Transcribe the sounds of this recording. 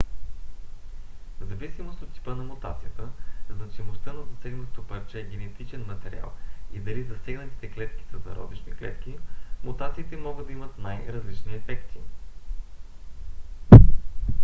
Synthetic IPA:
zɐvisimost̪ot̪ʲːi̥pənɐmʊt̪at̪sijət̪əznɐt͡ʃimost̪ɤnɐzɐsɛɡnot̪t̪opəɾt͡ʃɛːɡʲɛnɛt̪it͡ʃɛnmɐt̪ɛɾia̰lˠid̪ɐlizɐsɛɡnət̪i̥t̪ɛklɛt̪kʲi̥sɐzɐ̰ɾɔ̰d̪ˠit͡ʃnḭklɛ̰t̪k̟ʲimʊt̪at̪siːt̪ɛmɔɡəd̪ːɐimət̪najɾɐzlit͡ʃniɛfɛkt̪i

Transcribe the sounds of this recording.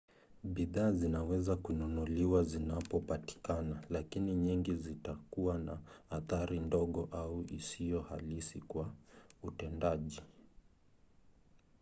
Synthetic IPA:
ɓiðaːzinawɛzakunɔnuliwazinapɔpati̥kanalakiniɲiŋɡizitakuwanahaθaɾindɔɠɔʔauʔisijɔhalisikwautɛndaʄi

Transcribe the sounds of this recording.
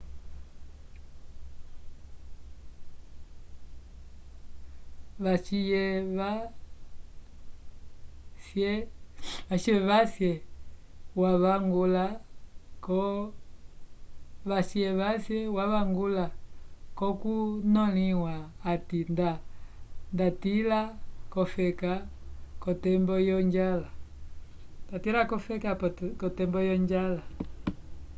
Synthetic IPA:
βaʃijɛa | sɛʋaʃiɛβasjɛ | waβaŋɡulakɔ | βasɛβasjɛwaβaŋɡulakɔkunɔliwaːtinda | ndatilakɔfɛkakɔtɛmbɔjɔɲd͡ʒala | ndatilakɔfɛkakɔtɛmbɔjɔɲd͡ʒala

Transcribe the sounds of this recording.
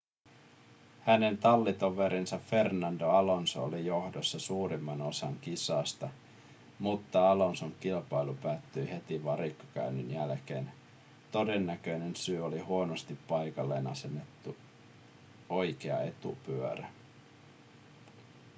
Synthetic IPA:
hæne̞nt̪ɑlːit̪oʋe̞ɾʔinsɑffe̞rnɑndoɑlo̞nso̰o̰lijo̞hdosːɑsuːɾimːɑno̞sɑŋk̟isɑːst̪ɑ | mut̪ːɑɑlo̞nsoŋkilpɑjlupæːt̪ːøjhe̞t̪iʋɑɾikːɑ̥kæ̰ynynjælke̞̰ːn | t̪o̞de̞nːækø̞jne̞nsyːolihuo̞nost̪ipːɑjkɑlːe̞̰ːnɑ̰se̞nːet̪ːu | o̞jkeɑ̰e̞t̪ṵpyøɾæ

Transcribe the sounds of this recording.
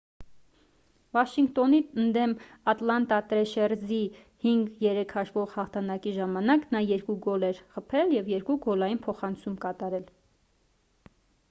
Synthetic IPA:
vɑʃiŋɡt̪ɔniənd̪ɛmɑt̪lɑnt̪ɑt̪ɾɛʃɛɾzi | hiŋɡjɛɾɛkʰhɑʃvɔʁhɑχt̪ʰɑnɑkiʒɑmɑnɑknɑjɛɾkuɡɔlɛɾχəpʰɛljɛvjɛɾkuɡɔlɑjinpʰɔχɑnt͡sʰumkɑt̪ɑɾɛl

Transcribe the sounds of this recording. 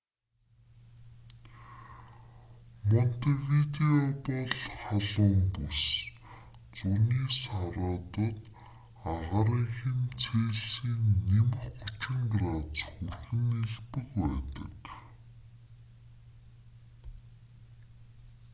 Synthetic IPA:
mɔn̥t̪ewit̪eɔpɔɮχaɮʊːmpus | t͡suniːsaɾʊːt̪ɞ̆t̪ | aʁaɾiŋxĭnt͡sʰeːɮsiːŋnemə̆χʊt͡ɕɪ̆ŋɡrat͡sxurxɘ̆neɮpɘ̆kpæːt̪ə̰̆k

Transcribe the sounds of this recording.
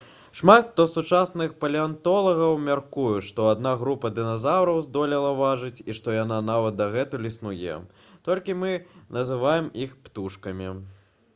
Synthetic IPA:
ʂmat̪ːɔsut͡ʂasnɨxpɐlʲiant̪ɔlˠɐɣɐwmʲarkujuʂt̪ɔad̪naɣɾupɐd̪ɨnazawɾɐwzd̪ɔlʲilˠɐvaʐɨt͡sʲiʂt̪ɔjananavɐt̪̚d̪ɐɣɛt̪ulʲisnujɛ̰ | t̪ɔlʲkʲimɨnɐzɨvajɛmixpt̪uʂkɐmʲi

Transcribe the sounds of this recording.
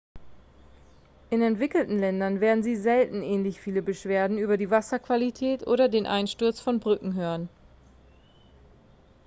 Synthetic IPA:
ʔɪnɛntv̥ɪkl̩tn̩lɛndɐnveːɐdn̩ziːzɛltn̩ʔɛːnlɪçfiːləbəʃv̥eːɐdn̩yːbɐdiːvasɐkv̥alitʰɛːtʔo̰ːɾɐdeːnʔa̰ɪnʃtʊɐt͡sfɔnbʁʏkŋ̩ɦøːʁən

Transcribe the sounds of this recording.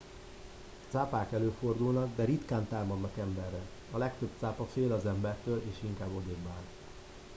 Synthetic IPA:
t̪saːpaːkɛløːfo̞rd̪ulnɒɡd̪ɛɾit̪kaːnt̪aːrmɒd̪nɒkɛmbɛrːɛ | ɒlɛkt̪øb̚t̪saːpɒfeːlɒzɛmbɛrt̪øːleːʃiŋkaːbod̪eːɡbaːl

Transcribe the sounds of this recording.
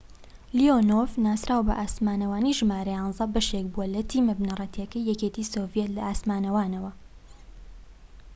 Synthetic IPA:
lionovnaːsɾaːwbɐ̰ʔaːsmaːnɐwaːniʒɨmaːɾɐjɑːnzɐbɐʃek̚buwɐlɐt̪ʰiːmɐbnɐrˤɐt̪ʰiɐkɐjːɛket̪iːsovjet̪lɐaːsmaːnɐwaːnɐwɐ

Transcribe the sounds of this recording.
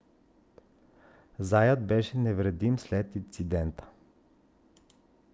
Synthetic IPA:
zajət̪̚bɛʃɛnɛvɾɛd̪imslɛt̪int̪sid̪ɛnt̪ə̥

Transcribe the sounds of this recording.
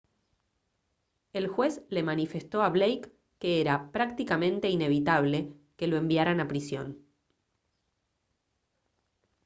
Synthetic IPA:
e̞lxwe̞sle̞manife̞st̪o̞aβlejkː | eeɾapɾak̚t̪ikamẽ̞nt̪e̞ine̞βit̪aβ̞le̞ke̞lo̞e̞mbjaɾanapɾisjo̞̰n

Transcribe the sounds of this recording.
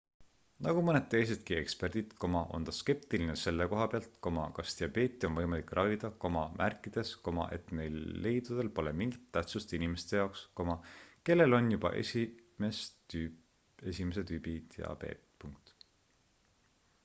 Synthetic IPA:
nɑɡ̥umɤne̞d̪̚t̪e̞js̬e̞d̪̥kie̞̰kspe̞rd̪̥it̪ko̞mɑʔo̞̰nt̪ɑske̞p̚t̪ilinese̞lːeko̞ɦɑpeɑlt̪ko̞mɑ̰kɑst̪iɑbe̞ːt̪ʲːˑio̞nvɤjmɑlikˑrɑvid̪̥ɑko̞mɑmʔærkːˑid̪̥e̞sko̞mɑ̰ʔe̞̰t̪ne̞jlːe̞jd̪ud̪̥e̞lpo̞lemiŋɡit̪ːæht̪sust̪inime̞st̪e̞jɑoksko̞mɑke̞lːe̞lo̞njub̥ɑ̰ʔḛsimesy | e̞simes̬e̞t̪yːbit̪jɑ̰bḛːt̪puŋk̚t̪

